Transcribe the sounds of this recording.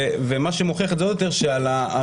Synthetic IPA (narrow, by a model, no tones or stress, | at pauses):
vemaʃemoχeχetzeod̪jot̪e̞ʁʃealaa